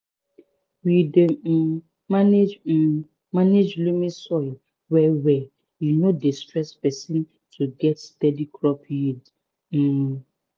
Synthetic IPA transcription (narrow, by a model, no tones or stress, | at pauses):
wide | maned͡ʒ | maned͡ʒlumĩsɔɪl | wɛwɛ | junodistɹɛspɛsĩn | tuɡɛtstɛdikɹɔpjid̩